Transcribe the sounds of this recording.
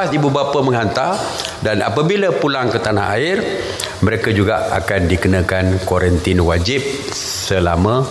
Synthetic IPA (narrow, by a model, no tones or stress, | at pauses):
sibubapamə̃ŋɦant̪ar | dana̰pabilapulaŋkət̪anaɦa̰ɪr | məɾekad͡ʒuɡaakandikənãkankwoɾənt̪ɪnwad͡ʒɪp̚ | səlamə̃